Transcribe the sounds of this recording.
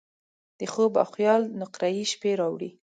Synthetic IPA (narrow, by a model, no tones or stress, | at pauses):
d̪̥əxoba̰xjɑlnʊqɾajiʃpeɾɑwɽi